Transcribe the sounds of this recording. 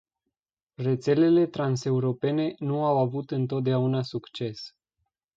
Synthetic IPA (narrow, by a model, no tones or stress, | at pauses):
re̞t̪se̞le̞le̞t̪ɾanse̞uɾo̞pe̞ne̞nuawavut̪ɨnt̪o̞t̪̚d̪eaunasukt͡ʃe̞s